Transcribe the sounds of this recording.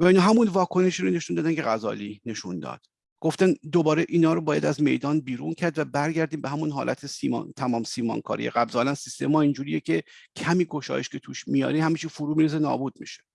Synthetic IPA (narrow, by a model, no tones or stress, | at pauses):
væinɒːɦæmunvɒːkʰo̞neʃiːɾone̞ʃund̪ɒːd̪æncʰe̞ɣæzɒ̰ːline̞ʃund̪ɒ̰ːd̪̥ | ɡ̥o̞ft̪ænd̪obɒːɾeʔiːnɒːɾobɒːjæ̰d̪æzme̞̰jd̪ɒːnbiːɾuncʰæɾd̪væbæɾɟæɾd̪iːmbeɦæmunɦɒ̰ːlʔæ̰t̪ʰesiːm̰ːt̪ʰæmɒːmsiːmɒ̰ːnkʰɒ̰ːɾḭjḛɣæblzɒːlænsist̪e̞mɒːind͡ʒuːɾijecʰe̞cʰæmiːɡo̞ʃɒ̰ːje̞ʃce̞t̪ʰuːʃmijɒ̰ːɾihæmiːt͡ʃʰifoɾuːmiɾiːzenɒ̰ːbuːd̪̥̚mḭʃe̥